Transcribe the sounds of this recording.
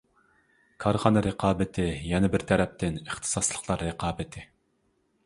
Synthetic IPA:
kʰɑɾχɑːnɨɾɨqʰɑːbɪt̪ʰɪjɛnɛbɪɾt̪ʰɛɾɛp̚t̪ɪnəχt̪ʰɨ̥sɑslˠəχlˠɑɾːɨqɑːbɪt̪ʰɪ

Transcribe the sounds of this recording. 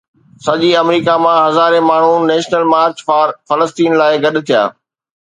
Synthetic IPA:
sɐʄiɐmɾiːkamãɦɐzaːɾẽmaːɳ̤unɛːʃnəlmaːɾt͡ɕfaːɾfɐləst̪iːnlaːɪɡɐɗʊt̪ʰija̰ː

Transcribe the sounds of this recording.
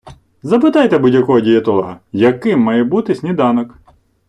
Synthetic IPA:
zɐpɪt̪ɑjt̪ɛbudʲjɐkɔɦɔdʲijɐt̪ɔlˠɐɦɐjɐkɪmːɑjɛbut̪ɪsʲnʲid̪ɑnɐk

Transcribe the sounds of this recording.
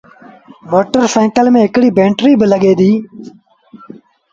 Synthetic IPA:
moːʈəɾfẽːŋkəlmẽːɦɪkɽiːbẽːɳʈɾiːbələɠeːd̪iː

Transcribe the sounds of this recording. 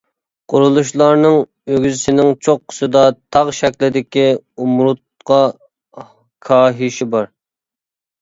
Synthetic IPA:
qʰʊɾulˠuʃlˠɑɾnɨŋ | øɡʲyzɪsɪnɪŋt͡ʃʰoqʰːə̥sɨd̪ɑt̪ʰɑʁʃɛkʲlɪd̪ɪkʲiumɾut̪̚qʰɑ | kʰɑːɦiʃibɑɾ

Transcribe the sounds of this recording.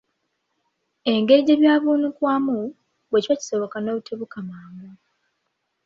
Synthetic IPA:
e̞ŋɡeɟeβjaːβuːnukwaːmu | βwecwaci̥so̞βokanoβuteβukamaːmu

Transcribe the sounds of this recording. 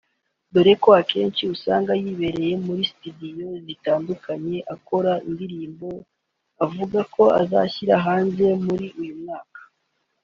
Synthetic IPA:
do̞ɾe̞koake̞ːnt͡ʃiusa̰ːŋɡajiːβe̞ɾe̞je̞muɾisi̥tudijo̞zitaːndukʰaɲe̞ʔako̞ɾaindiɾiːmbo̞ | avuɡakʰo̞a̰za̰çiɾaɦaːnze̞muɾiujumŋaːkḁ

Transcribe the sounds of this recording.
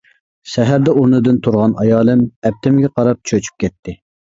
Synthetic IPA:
ʃɛɦæɾd̪ɛuɾnɨd̪ɨnt̪ʰuɾʁɑnɑjɑːlˠɨmɛp̚t̪ʰɪmɡʲɛqʰɑɾɑp̚t͡ʃʰøt͡ʃʰy̥p̚kʲʰɛt̪ʰːɪ

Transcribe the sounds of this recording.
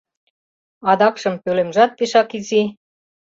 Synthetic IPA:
ɑd̪ɑkʃɤ̆mpølemʒɑt̪̚piʃɑkizi

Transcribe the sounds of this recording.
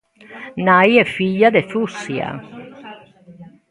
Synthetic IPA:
najɛfːiʎːad̪efusːia̰

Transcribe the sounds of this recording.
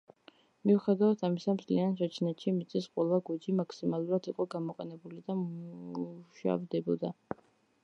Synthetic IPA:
miuχɛd̪avat̪ʰamisamzlianʃɛt͡ʃʰnɛt̪ʃimit̪sʼisqʼwɛlˠaɡud͡ʒimakʰsimalˠuɾat̪ʰiqʼɔɡamɔqʼɛnɛbulid̪amuʃa̰vd̪ɛbɔd̪a

